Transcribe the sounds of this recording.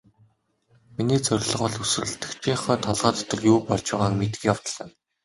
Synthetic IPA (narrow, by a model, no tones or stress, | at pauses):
miniːt͡sœrʲɮ̆ʁɔ̆ɮusɘ̆rɘ̆ɬt̪ɘ̆kt͡ɕʰiːχœːt̪ʰɔɮʁaːt̪ʰt̪ə̆ɮjuːpɔɮt͡ɕwaːʁaːŋmet̪ɘ̆kʲjawt̪ə̆ɮə̆n